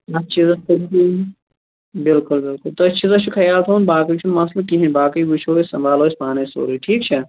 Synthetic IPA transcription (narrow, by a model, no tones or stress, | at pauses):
ɐtːt͡ʃʰizɐui | bɪlkʊlbɪlkʊlt̪oɐt͡ʃʰizɐt͡ʃʰukʰɐjaːlt̪ʰoːnbaːkɐit͡ʃʰunmɐslɐkiɦẽbaːkɐibut͡ʃʰoːisɐ̰̃mbʱaːloːspaːneso̰ːɾiʈʰiːk̚t͡ʃʰɐ